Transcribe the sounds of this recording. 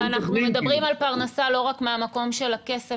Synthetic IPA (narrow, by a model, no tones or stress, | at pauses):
anaχnumed̪abʁimalpaʁnasalo̞ʁakmeamako̞mʃe̞lake̞se